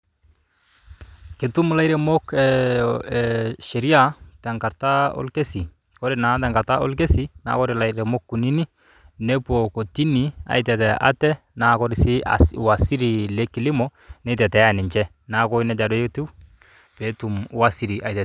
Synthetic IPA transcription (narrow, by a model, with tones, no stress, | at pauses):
kɪ˨tu˦mla˦jɾɛ˨mo˦kɛ | ʃɛ˨ɾi˦a˦tɛ˨ŋka˨ɾta˦ɔ̰˦lke˦si˨ | kɔ˦ɾɪ˨na˨tɛ˨ŋɡa˨ɾta˦ɔ̰˦lke˦si˨na̰˨kɔ˦ɾɪla˨iɾɛ˨mo˦kːu˨ni˦ni˦ | nɛ˦po˨ko˨ti˦ni˨a̰˨jtɛ˨tɛ˨ʔa̰˦tɛ˦ | na˨kɔ˦ɾɪ˨si˦a̰swa˨si˦ɾi˨le˦kːɪ˨lɪ˦mɔ˦nɛ˦tɛ˨tɛ˨a˨nɪ˨ɲt͡ʃɛ˦ | na˦kɔ˦i˦nɛ˦d͡ʒa˨dɔ˦je˦tu˦ | pe˨˦tu˨m˦wa˦si˨ɾi˨ʔa˨jtɛ˨